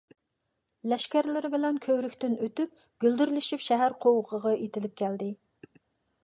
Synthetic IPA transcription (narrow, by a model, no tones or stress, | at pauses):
lɛʃkʲæɾlɪɾɪbɪlɛnkʲʰøwɾykʲt̪ɪnøt̪yp̚ | ɡ̥ʲyld̪yɾlyʃipʃɛɦæɾqʰowəʁʰəʁɑet̪ɪlɪp̚kʲʰɛld̪ɪ